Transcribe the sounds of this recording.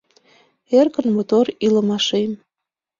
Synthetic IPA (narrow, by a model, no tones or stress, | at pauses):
erkənmot̪oɾiləmɑʃem